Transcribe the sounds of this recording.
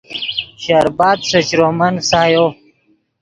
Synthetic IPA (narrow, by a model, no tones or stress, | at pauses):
ɕaːɾbaːd̪̚sɐt͡ɕɾomɐnsaːjo